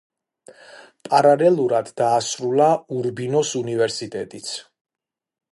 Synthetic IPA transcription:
pʼaɾalɛlˠuɾad̪ːaːsɾulˠauɾbinɔsunivɛɾsit̪ʼɛt̪ʼit̪sʰ

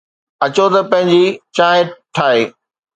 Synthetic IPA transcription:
ɐt͡ɕot̪ɐpɐ̃ɦɪ̃ɲd͡ʑit͡ɕaːɦɪ̃ʈʰaːɦeː

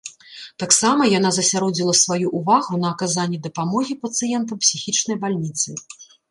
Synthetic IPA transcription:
t̪aksamɐjanazɐsʲaɾɔd͡zʲilˠɐsvajuʔuvaɣunɐːkazanʲːid̪ɐpamɔɣʲipɐt̪sɨjɛnt̪̬ɐpsʲixʲit͡ʂnɐjbalʲnʲit̪sɨ

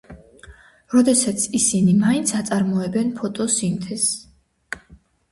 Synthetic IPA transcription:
ɾɔd̪ɛsat̪sʰisinimaint̪sʰat̪sʼaɾmɔɛbɛnpʰɔt̪ʼɔsint̪ʰɛs

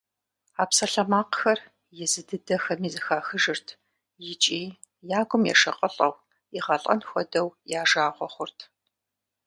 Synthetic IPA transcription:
aːpsɐɬɐmaːqxɐr | jɛzɨdɨdɐxɐmiːzɨxaːxɨʒɨrtʰ | jɪt͡ʃʼiː | jaːɡʷʊmjɛ̰ʂɐqʼəɬʼɐ̰w | iʁɐɬʼɐ̰nxʷɔdɐwjaːʒaːʁʷɔχʷʊrtʰ

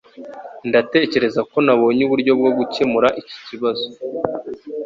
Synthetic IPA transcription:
ndate̞ːce̞ɾe̞zako̞naβo̞ːɲuβuɾɟo̞bɡo̞ɡuce̞muɾaʔici̥ciβazo̞̥

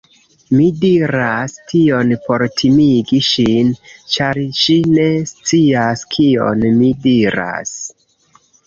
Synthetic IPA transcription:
midiɾastʰio̞npo̞ɾtʰimiɡiʃint͡ʃaɾʃine̞st͡siaskʰio̞̰nmidiɾa̰s

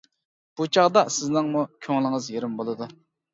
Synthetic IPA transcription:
b̥ut͡ʃʰɑʁd̪ɑsɪznɨŋmukʲʰoŋlˠɨŋəzjeɾɪmbolˠɨd̪u

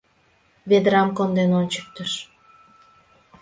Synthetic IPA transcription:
ved̪ɾamkond̪enont͡ʃu̥k̚t̪yʃ

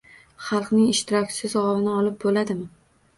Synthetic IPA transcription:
χɑlˠqnɪŋɪʃt̪ʰɪɾɒkʲsɪzɒvɪnɪɒlɪp̚bolad̪ɪmɪ

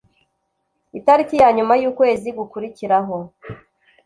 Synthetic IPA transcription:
itaɾicijaːɲumajuːkwe̞ːziɡukuɾiciɾaɦo̞

